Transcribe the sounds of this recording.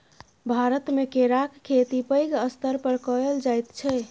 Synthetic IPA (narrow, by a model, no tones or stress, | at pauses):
bʱaɾət̪mekeɾakkʰːet̪ipəjɡəst̪əɾpəɾkɔəld͡ʒajt̪t͡ʃʰɛ